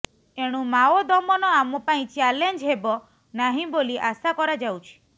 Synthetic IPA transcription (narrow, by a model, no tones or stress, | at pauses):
eɽ̃ũmaɔd̪ɔmɔnɔamɔpaĩt͡ʃalend͡ʒɦebɔ | naɦĩboliʔasakɔɾad͡ʒawt͡ʃʰi̥